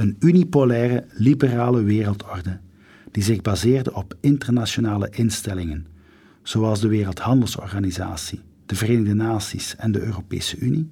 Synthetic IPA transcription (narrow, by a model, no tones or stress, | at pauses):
ənynipolɛːrəlibəraːləʋeːrəlˠtʰɔrdə | d̥izɪɣbazeːrdəʔɔpɪntərnaʃonaːlə̰ʔɪnstɛlɪŋən | z̥oɑlˠzdəʋeːrəlˠthɑndəlˠsɔ̰rɣaniza̰ːsi | d̥əvəreːnəɣdənaːsisɛndəʔøːropḛːsəʔyni